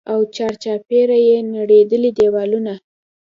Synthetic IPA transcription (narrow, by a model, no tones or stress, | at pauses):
awt͡ʃɑɾt͡ʃɑpeɾajenaɽed̪əlid̪ewɑluna